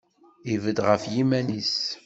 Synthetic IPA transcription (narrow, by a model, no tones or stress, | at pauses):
ivəd̪ʁəfjimænis